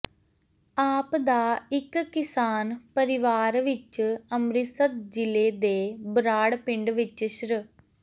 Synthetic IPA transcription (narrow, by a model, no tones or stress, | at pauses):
aːpd̪aːɪkːɪsaːnpəɾɪʋaːɾʋɪt͡ʃəmɾɪsət̪d͡ʒɪleːd̪eːbɾaːɽpɪɳɖʋɪt͡ʃʃɾə